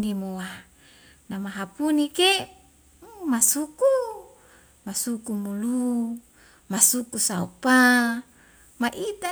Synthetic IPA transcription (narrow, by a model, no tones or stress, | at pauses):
nimowa | namaɦapunike | masuku | masukumulu | masukusaupa | maʔit̪a